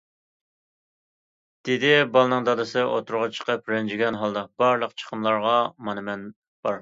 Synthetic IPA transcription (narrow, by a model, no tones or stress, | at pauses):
d̪̥ɪd̪ɪbɑlˠnɨŋd̪ɑd̪ɨsɨʔo̰t̪ʰuɾʁɑt͡ʃʰə̥qəpɾɛnd͡ʒiɡʲɛnɦɑlˠd̪ɑb̥ɑɾlˠəqt͡ʃʰə̥qʰəmlˠɑɾʁɑmɑnɨmɛn | b̥ɑɾ